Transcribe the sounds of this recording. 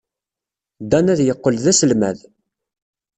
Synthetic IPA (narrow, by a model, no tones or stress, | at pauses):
d̪ænæðjəqːəlðæsəlmæð